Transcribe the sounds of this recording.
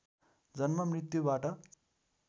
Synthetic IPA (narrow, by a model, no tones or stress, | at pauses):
d͡zʌnmʌmrit̪jubaʈʌ